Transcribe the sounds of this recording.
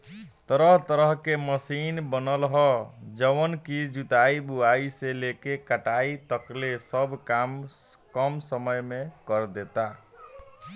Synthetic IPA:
t̪əɾəɦt̪əɾəɦkeməsinbənəlɦɔd͡ʒəʋənkid͡ʒut̪aibuaiselekekəʈait̪əklesəbkamkəmsəməjmekəɾd̪et̪a

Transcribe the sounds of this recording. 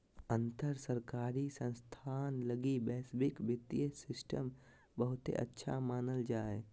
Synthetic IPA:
ə̃nt̪əɾsəɾkaːɾisə̃nst̪ʰaːnləɡibɛːsbɪkbɪt̪ijəsɪsʈəm | bəɦʊt̪ḛʔə̰tːʃʰa̰maːnəld͡ʒaːe

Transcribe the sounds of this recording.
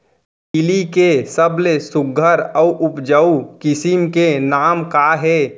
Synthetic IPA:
kɪlikesəblesʊɡʱəɾɔuʔʊpd͡ʒəukɪsɪmkenaːmkaɦɛː

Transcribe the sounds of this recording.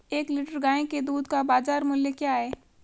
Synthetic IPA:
eːkliːʈəɾɡãːẽked̪uːd̪kabaːzaːɾmʊljekjaɦɛː

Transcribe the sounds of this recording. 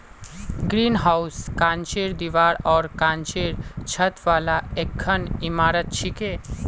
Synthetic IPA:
ɡɾiːnɦawskãːnt͡ʃeɾd̪iʋaːɾɔːɾkãːnt͡ʃeɾt͡ʃʰət̪ʋaːlaekʰːənimaːɾət̪̚t͡ʃʰike

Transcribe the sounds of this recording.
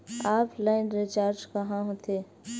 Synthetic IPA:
aːpʰlaɪnɾɪt͡ʃaːɾd͡ʒkɐɦãɦoːt̪eː

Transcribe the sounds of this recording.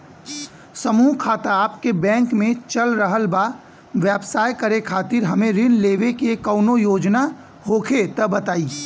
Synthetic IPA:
sɐmuːɦkʰaːt̪aaːpkebɛ̃ːŋkmẽt͡ʃɐlɾəɦəlbaː | ʋɛːbsaːjkɐɾekʰaːt̪ɪɾɦɐmẽɾɪnleːʋekekəʊnojoːd͡ʒna | hoːkʰet̪ɐbɐt̪aːiː

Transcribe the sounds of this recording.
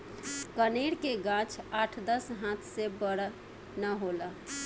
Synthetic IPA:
kəneɽkeɡãt͡ʃʰaʈʰd̪əsɦãt̪ʰsebəɽ | nəɦolə

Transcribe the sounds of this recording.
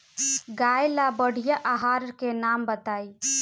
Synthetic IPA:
ɡajlabəɽ̤ijaʔaɦaɾkenambət̪aj

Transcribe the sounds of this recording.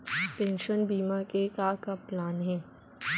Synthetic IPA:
pɛ̃ːnʃənbiːmakekakaplaːnɦɛ̃ː

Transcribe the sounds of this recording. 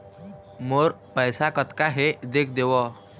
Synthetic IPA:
moɾpəjsakət̪kaɦed̪ek̚ʰd̪eʋɔ

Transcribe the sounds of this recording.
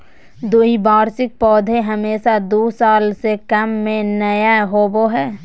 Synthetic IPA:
d̪oɦibaːɾsɪk̚pɔːd̪ʱẽɦɐmeːʃad̪oːsaːlsekɐmːẽnɐjaɦoːboɦɛː

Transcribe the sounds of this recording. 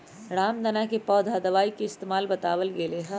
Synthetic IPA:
ɾaːmd̪ɐnakepɔːd̪ʱad̪ɐʋaːikeɪst̪eːmaːlbɐt̪a̰ːʋəlɡeleɦã

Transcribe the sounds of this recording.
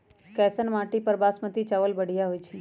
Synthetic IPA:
kɛsənmãʈipəɾbaːsmət̪it͡ʃaʋəlbəɽ̤ijaɦojt͡ʃʰi

